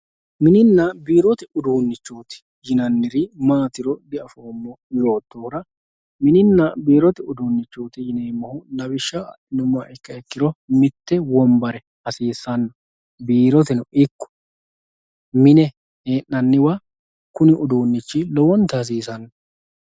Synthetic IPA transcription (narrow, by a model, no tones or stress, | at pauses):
mɪnɪnːɐbiːɾɔt̪ɛʊd̪uːnːɪt͡ʃːoːt̪ɪ̥ | jɪnɐnːɪɾɪmaːt̪ɪɾɔd̪ɪɐfoːmːɔjo̞ːt̪ːoːɾɐ | mɪnɪnːɐbiːɾɔt̪ɛʊd̪uːnːɪt͡ʃːoːt̪ɪjɪneːmːɐhʊnɐbɪʃːɐ | nʊmːɐɪkːɐɛkːɪɾɔmɪt̪ːɛwɔmbɐɾɛ | hɐsiːsːɐnːɔ | biːɾɔt̪ɛnʊɪkːɔ̥ | mɪnɛ | heːnːɐnːɪwa | kʊnɪʔʊd̪uːnːɪt͡ʃːɪlɔwɔnt̪ɐɐs̬iːsɐnːɔ